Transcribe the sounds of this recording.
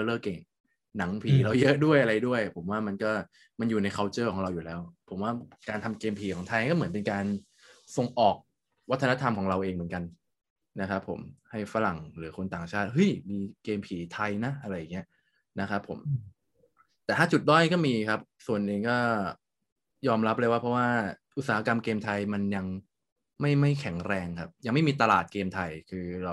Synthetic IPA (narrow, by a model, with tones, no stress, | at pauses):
ɤː˧lɤː˥˩ke˨˩ŋ | na˩˦ŋpʰiː˨˩˦la˧˥wjɤ˦˥ʔdu˥˩əjʔa˧ɾa˧jdu˥˩əjpʰo˩˦mwaː˥˩ma˧nkɔː˥˩ | ma˧njuː˨˩na˧jkʰaː˧˥wt͡ɕɤː˥˩kʰɔː˩˦ŋɾa˧wjuː˨˩lɛː˦˥wpʰo˩˦mwaː˥˩kaː˧nt̪ʰa˧mkeː˧mpʰiː˨˦kʰɔː˩˦ŋt̪ʰa˧jkɔː˥˩mɯ˩˦np̬e˧nkaː˧n | so˨˩ŋʔɔː˨˩k̚ | wa˦˥t̪ʰːa˧na˦˥t̪ʰa˧mkʰɔː˩˦ŋɾa˧wʔeː˧ŋmɯ˩˦nŋka˧n | na˦˥kʰɾa˦˥pʰːo̰˩˦mha˥˩jfa˧ɾa˨˩ŋɾɯː˩˦kʰo˧nt̪aː˨˩ŋt͡ɕʰaː˥˩t̪̚hɯ˦˥˩jmiː˧keː˧mpʰiː˨˩˦t̪ʰa˧jna˦˥ʔa˧ɾa˧jːa˨˩ŋːi˦˥ɐ | na˦˥kʰa˦˥pʰːo̰˩˦m | t̪ɛː˨˩t̪ʰaː˥˩t͡ɕu˨˩t̪̚dɔː˥˩n˥˩kɔː˥˩miː˧kʰa˦˥p̚su˨˩ənʔeː˧ŋkɔː˥˩ | jɔː˧mɾa˦˥p̚lɤ˧˥˩wa˦˥pʰɾɔ˦˥waː˥˩ʔ̪̚saː˨˩˦a˦˥ka˧mkeː˧mt̪ʰa˧jma˧nja˧ŋ | ma˥˩jma˥˩jkʰɛ˨˩˦ŋɾɛː˧ŋkʰa˦˥p̚ja˧ŋma˥˩jmiː˧t̪a˧laː˨˩t̪̚keː˧mt̪ʰa˧jkʰɯː˧ɾa˧w